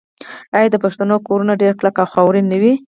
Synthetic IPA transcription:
ajad̪əpaʂt̪anokoɾunaɖeɾklakawxawɾinːəwi

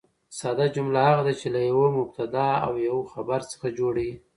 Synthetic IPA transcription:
sɑd̪ad͡ʒʊmlahaɣad̪at͡ʃelajawomʊb̚t̪ad̪ɑa̰wjawxabaɾt͡sə̥xad͡ʒoɽi

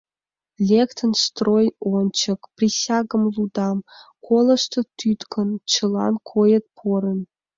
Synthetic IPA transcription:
lʲekt̪ə̆nst̪rojont͡ɕɤ̆kprʲisʲɑɡə̆mlˠud̪ɑmkolˠɤ̆ʂt̪ɤ̆t̪yt̪kʰɤ̆nt͡ɕɤ̆lˠɑ̰nkʰojə̆t̪̚pʰoɾə̆n

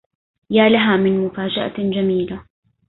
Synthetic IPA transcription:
jaːlaɦaːmɪnmʊfaːd͡ʒaʔa̰d͡ʒamiːla

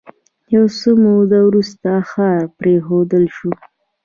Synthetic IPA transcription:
jawsomod̪awɾust̪axɑɾpɾexod̪əlʃu

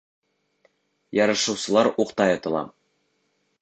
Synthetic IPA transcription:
jɒɾɤ̆ʃɤ̆wsɤ̆lˠɑɾuqt̪ɑjɑt̪ɤ̆lˠɑ̰

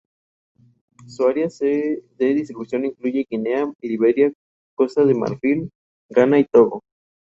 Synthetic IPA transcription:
suaɾjaseðeðist̪ɾiβusjo̞niŋkluʝeɣinealiβeɾja | ko̞st̪aðema̰ɾfil | ɡanait̪oðo

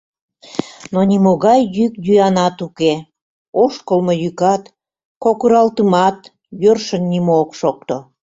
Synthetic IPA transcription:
nonʲimoɣɑjːykd̪yjɑnɑt̪uke | oʃkəlmojykɑt̪ | kokuɾɑlt̪əmɑt̪ | jørʃənːʲimookʃok̚t̪o

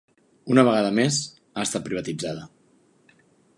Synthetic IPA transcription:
unəβ̞əɣaðəmez | aəst̪at̪̚pɾiβ̞ət̪id͡zaðə

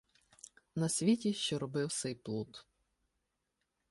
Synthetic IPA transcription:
nɐsʲʋʲitʲiʃt͡ʃɔɾɔbɪwsɛjplˠut̪

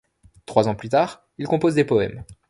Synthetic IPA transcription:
t̪χwazɑ̃plyt̪aːʁ | ilkɔ̃pozd̪epɔɛ̰m

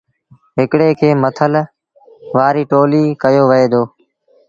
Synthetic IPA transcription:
ɦɪkɽeːkʰeːmət̪ʰəl | ʋaːɾiːʈoːliːkəjoːʋəɦeːd̪oː

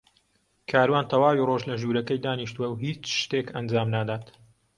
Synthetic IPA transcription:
kʰaːɾwaːnt̪ʰɐwaːwiːroʒlɐʒuːɾɐkɐjd̪aːniʃt̪uwɐwɦiːt͡ʃʃt̪ekɐnd͡ʒaːmnaːd̪aːt̪

